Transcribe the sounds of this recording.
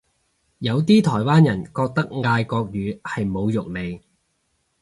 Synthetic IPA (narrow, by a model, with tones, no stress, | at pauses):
jɐ˨˧wt̪iː˥t̪ʰɔː˨˩jwaː˥njɐ˨˩nkɔː˧k̚t̪ɐ˥k̚ŋaː˧jkɔː˧k̚jyː˨˥hɐ˨jmo˨˧wjʊ˨k̚le˨˧j